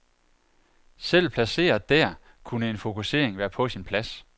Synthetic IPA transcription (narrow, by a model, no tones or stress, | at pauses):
sel̰pʰlæse̝̰ːɐðˠd̥æɐ̰ | kʰunəe̝nfo̝kʰuse̝̰ːɐ̰eŋʋæːɐpʰɒ̽sinpʰlæs